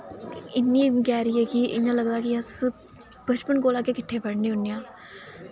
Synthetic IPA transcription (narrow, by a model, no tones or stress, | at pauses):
ɪnːĩːkɛːɾiːɛːkiʔɪãːləɡd̪aːkɪəs | b̥ət͡ʃpənkoːlaːkeːkɪʈʰːeːpəɽniːɦʊnːijãː